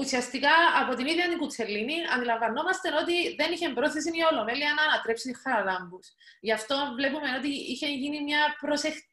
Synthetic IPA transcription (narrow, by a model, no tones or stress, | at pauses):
usiɐst̪ikɐːpo̞t̪iniðjɐt̪iŋɡut͡sʰe̞lːiniɐ̰nd̪ilɐɱvɐno̞mɐst̪e̞no̞t̪iðe̞niçe̞mbɾo̞θes̬inio̞lo̞me̞liɐnɐːnɐt̪ɾe̞psit̪usxɐɾɐlɐmbus | ʝɐft̪o̞vle̞pume̞no̞t̪̬iiçe̞ʝinimɲɐpɾo̞sext̪